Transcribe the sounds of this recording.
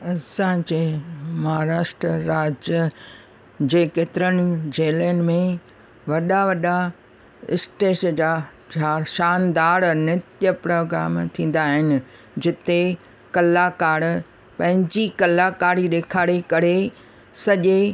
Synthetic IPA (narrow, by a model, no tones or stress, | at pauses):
ɐsãd͡ʑeːmɐɦaːɾaːʃʈɾəɾaːd͡ʑjə | d͡ʑeːket̪ɪɾənɪ̆d͡ʑeːliənɪ̆mẽ | ʋɐɗaʋɐɗa | ɪ̰sʈeːʃd͡ʑaː | aʃaːnd̪aːɾnɪt̪jəpɾoːɡɾa̰ːmt̪ʰĩːn̆d̪aːɦɪnɪ̆ | d͡ʑɪt̪e | kɐlaːkaːɽ | pɐ̃ɦɪ̃ɲd͡ʑikɐlaːkaːɾiɗeːkʰaːɽekɐɾe | sɐʄe